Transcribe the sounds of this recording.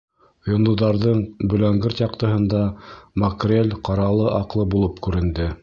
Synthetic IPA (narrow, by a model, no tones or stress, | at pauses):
jŏnd̪uðɑɾðɤɴbɵ̆læŋɡɘɾt̪jɑqt̪ɤ̆ɦɤ̆nd̪ɑmɐkrʲelʲqɑɾɑlˠɤʔɑqlˠɤbulˠɤpkʉɾɘ̆nd̪ɘ